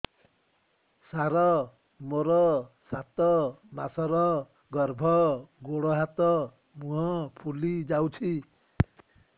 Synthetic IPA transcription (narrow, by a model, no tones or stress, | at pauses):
saɾɔ | moɾɔsat̪ɔmasɔɾɔ | ɡɔɾbʱɔɡoɽɔɦat̪ɔ | muɦɔpʰulid͡ʒawt͡ʃʰi